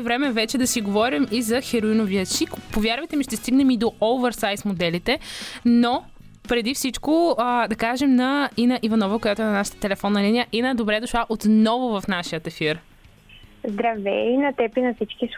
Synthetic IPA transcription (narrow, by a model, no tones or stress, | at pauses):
vɾɛmɛvɛt͡ʃɛd̪ɐsiɡovɔɾimizɐxɛɾoinoviəʃikpovjaɾvɐjt̪ɛmiʃt̪ɛst̪iɡnɛmid̪oʔolvɛɾsajsmod̪ɛlit̪ɛno | pɾɛd̪ifsit͡ʃkoəd̪ɐkaʒɛmnɐinəʔivɐnɔvɐkojat̪ʊɛnɐnaʃə̥t̪ə̥t̪ɛlɛfɔnːɐlinijəʔinəd̪obɾɛd̪oʃlˠaʔot̪nɔvʊvɐfnaʃijət̪ɛfiɾ | zd̪ɾɐvɛ̰inɐt̪ɛpinɐfsit͡ʃkis